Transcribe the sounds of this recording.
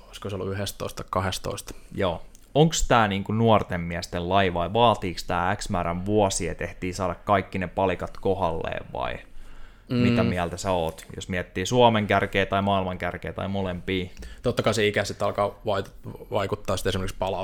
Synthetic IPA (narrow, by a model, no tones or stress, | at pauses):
oiskoseolːuyɦest̪o̰ist̪ːɑikkɑhest̪o̰ist̪joː | oŋkst̪æːniːŋkunuɔrt̪emmiæst̪ellɑjʋɑiʋɑːt̪iːkst̪æːæksmæːɾæʋʋuɔsiet̪eht̪iːsɑːdɑkkɑikːinepɑlikɑt̪kohɑlːḛːʋʋɑ̰i | mit̪æmiælt̪æseoːt̪jo̰smiæt̪ːiːsuɑmeŋkærkeːt̪ɑimɑːilmɑŋkærkeiːt̪ɑ̰imolempiːt̪ot̪ːɑkɑiseikæsit̪ːɑlkɑːʋɑit̪ʋɑikut̪ːɑːsit̪esimerkspɑlɑ